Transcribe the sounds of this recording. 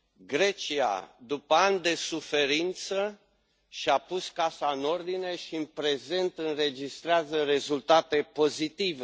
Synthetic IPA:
ɡɾe̞t͡ʃia̰d̪upəanʲd̪e̞sufe̞ɾint̪sə | ʃiapuskasaɨno̞rd̪ine̞ʃiɨnpɾe̞ze̞nt̪ɨnre̞d͡ʒist̪ɾeazəɾe̞zult̪at̪e̞po̞zit̪ive

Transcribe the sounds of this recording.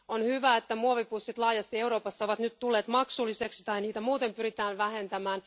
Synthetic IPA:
onhyʋæet̪ːæmuoʋipusːit̪lɑːjɑst̪ieuɾoːpɑsːɑoʋɑt̪nyt̪t̪ulːeːt̪mɑksulːiseksi̥t̪ɑiniːt̪æmuːt̪empyɾit̪æːnʋæhe̞nt̪æmæːn

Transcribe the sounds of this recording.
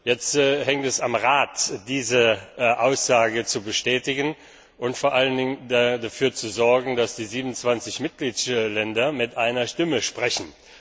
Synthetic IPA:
jɛt͡stːhɛŋtɛsamʁaːtd̥iːzəʔaʊsz̥aːɡət͡subəʃtɛːtɪɡən | ʔʊntfoːɐʔaləndɪŋədadafyːɐt͡suzɔɐɡŋ̩dasd̥iːziːbənʊnt͡sv̥ant͡sɪçmɪt̚ɡ̥liːtlɛndɐmɪtʔaɪnɐʃtɪməʃpʁ̥ɛçn̩

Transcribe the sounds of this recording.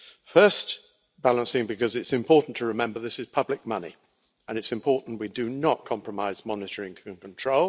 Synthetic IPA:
fɜˑ˞st | b̥ælˠə̃nsɪ̃ŋbɨkʌzɨtsɨ̃mpʰɔɹʔn̩tʰəɹɨmɛ̃mbə˞ðɪsɨz̥pʰʌblɪk̚mʌnḭ | ə̃nɨtsɨ̃mpʰɔɹʔn̩ʔwidɨnət̚kʰɑ̃mpɹ̥əmaɪzmɑnɨɾə˞ɪ̃ŋkʰɨ̃nkʰə̃ntʰɹ̥oʊlˠ

